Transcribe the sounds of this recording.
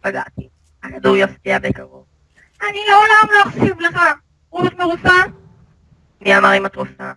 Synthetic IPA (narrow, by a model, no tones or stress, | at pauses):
paɡa̰t̪i | akad̪uʁjaftiabekaʁov | ʔanioolamloaχsivleχa | ʁuot̪meʁufa | miamaʁimat̪ʁufa